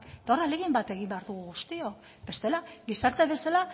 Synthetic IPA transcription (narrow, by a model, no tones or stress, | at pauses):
kt̪aoraleɣimbat̪e̞ɣ̞imbe̞aɾðuɣ̞uɣust̪iok | be̞st̪e̞laɣisaɾt̪eβe̞sala